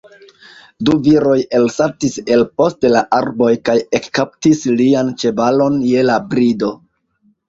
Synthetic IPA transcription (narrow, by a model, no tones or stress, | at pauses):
duviɾo̞je̞lsaɾtise̞lpo̞stelaʔaɾbo̞jkaje̞kːap̚tisliant͡ʃe̞balo̞nje̞labɾido̞